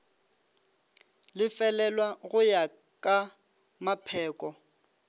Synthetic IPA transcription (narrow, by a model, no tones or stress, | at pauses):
lɪfɛlɛlwaɣʊja | kʼa | mapʰɛːkʼɔ